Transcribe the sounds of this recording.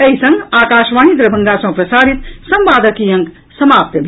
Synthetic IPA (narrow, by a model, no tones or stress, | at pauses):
ɐisɐ̃ŋɡaːkaːʃʋaːɦid̪ɾɐbʱɐŋɡasɐ̃pɾɐsaːɾit̪sɐ̃mʋaːd̪ɐkiːjɐ̃ŋk | sɐmaːp̚t̪jɐbʱ